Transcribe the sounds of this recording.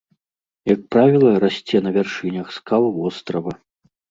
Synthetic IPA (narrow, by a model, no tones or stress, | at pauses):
jɐk̚pɾavʲilˠɐɾasʲt͡sʲɛnɐvʲarʂɨnʲɐxskalˠvɔst̪ɾɐvɐ